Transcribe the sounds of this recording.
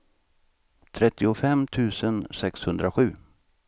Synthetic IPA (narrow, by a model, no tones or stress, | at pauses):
t̪ʰɾɛt̪ːɪʊfɛmt̪ʰʉ̟ːsənsɛkshɵnd̪ɾaɧʉ̟ː